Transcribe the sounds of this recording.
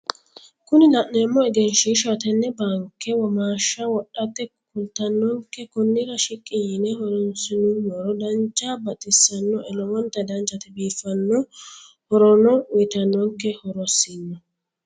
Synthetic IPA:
kʊnɪlɐnːeːmːɔɛɡɛnʃiʃat̪ɛnːɛbaːŋkːɛwɔmaːʃːɐwɔɗːɐt̪ːɛkʊlt̪ɐnːɔŋkːɛkʊnːɪɾɐʃɪkʼːɪjɪnɛhɔɾɔnsɪnʊnːɔɾɔd̪ɐnt͡ʃʼːaːbɐt̪ʼɪsːɐnːɔʔɛlɔwɔnt̪ːɐd̪ɐnt͡ʃːɐt̪ɪbiːfːɐnːɔ | hɔɾɔnɔwjt̪ɐnːɔŋkːɛhɔɾɔsːinːɔ

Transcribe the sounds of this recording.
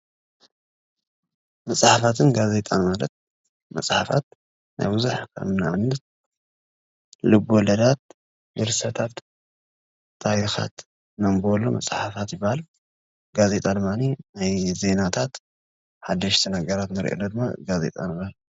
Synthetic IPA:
mɐsʼħafat̪ʰɨnɡaze̞t̪ʼanmalɐt̪̚ | mɐ̰sʼħafa̰t̪ | na̰jbuzuħkʰɐ̰mnaβɨnːɐt̪̚ | lɨbolɐd̪at̪̚ | bɨɾsɐt̪ʰat̪ | ajixa̰t̪ | nɐmbolomɐ̰sʼħafat̪jɪbːahal | ɡaze̞t̪ʼad̪ɨmːaninajze̞nat̪ʰat̪ | ħad̪ːɐʃt̪ʰinaɡɐɾat̪nɨɾʔo̰nɐd̪ɨmːaɡaze̞̰t̪ʼa̰nɨbahal

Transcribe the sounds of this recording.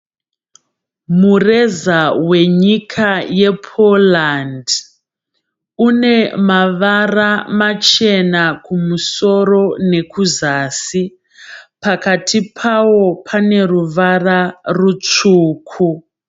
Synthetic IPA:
murezawe̞ɲikʰajepʰoland | une̞maʋaramat͡ʃe̞nakumuso̞ro̞ne̞kuzaːsi | pakatipʰawo̞pʰane̞ruʋararut͡ʂuːkʰu

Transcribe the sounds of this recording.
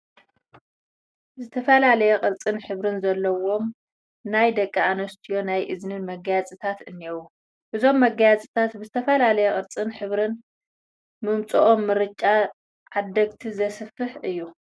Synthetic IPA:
zɨt̪ʰɐfɐlalɐjɛqʼɨɾt͡sʼɨnħɨβɾɨnzɐlːɐwo̞m | najd̪ɐkʼːianɐst̪ʰijo̞najʔɨznɨnmɐɡajat͡sʼɨt̪ʰat̪ɨnːewu | ʔɨzo̞mːɐɡajat͡sʼit̪ʰat̪bɨzɨt̪ʰɐfɐlalɐjɛχʼɨɾt͡sʼɨnħɨβɾɨn | mɨmt͡sʼuʔomːɨɾɨt͡ʃʼa | ʕad̪ːɐɡt̪ʰizɐsɨfɨħʔɨjːu

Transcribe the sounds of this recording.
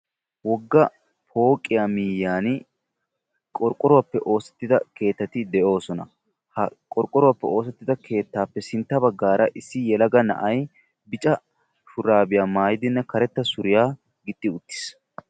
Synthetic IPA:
wɔɡːɐ | pʰo̞ːkʼːɪjamijːaːn | kʼɔɾkʼːɔɾʊwapːɛʔo̞ːsɛt̪ːɪd̪ɐke̞ːt̪ːɐt̪ɪd̪ɛʔo̞ːsɔnɐ̰ | hɐkʼɔɾkʼɔɾʊwaːpːɛo̞ːsɛt̪ːɪd̪ɐkʰe̞ːt̪ːaːpːɛsɪnt̪ːɐbɐɡːaːɾɐʔɪsːɪjɛlɐɡɐnɐ̰ʔɐj | bɪt͡ʃʼɐ | fʊɾaːbɪjaːmaːjɪd̪ɪnːɛkɐɾɛt̪ːɐsʊɾɪjaː | ɡɪt̪ʼːɪʊt̪ːɪ̥s

